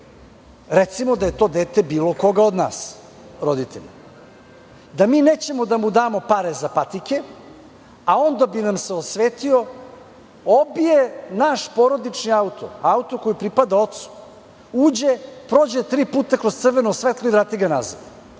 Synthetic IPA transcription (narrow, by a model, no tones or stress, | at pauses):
ɾet̪simod̪aje̞t̪o̞ːd̪eːt̪e̞biːlo̞ko̞ɡaod̪na̰ːs | ɾod̪it̪eʎ | d̪amiːneːt͡ɕe̞mod̪amud̪aːmo̞paɾezapat̪ike̞ | ao̞nd̪abinamseosʋeːt̪io | obijenaʃpoɾo̞d̪it͡ʃniaut̪o̰aut̪oko̞jipɾipad̪ao̞t̪su̥ | uːd͡ʑepɾoːd͡ʑet̪ɾiːpuːt̪akɾozt̪sr̩ʋenusʋet̪lˠoivɾaːt̪iɡana̰zad̪